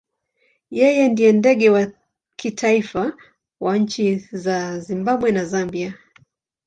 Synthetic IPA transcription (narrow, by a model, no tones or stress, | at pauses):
jɛjɛndiɛndɛɠɛwa | kʰitʰaifa | waɲ̩t͡ʃizazimbaɓwɛnazambia